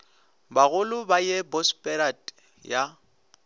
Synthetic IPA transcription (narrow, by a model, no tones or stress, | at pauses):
baɣʊlʊbajɛbɔspʼɛɾatʼ | ja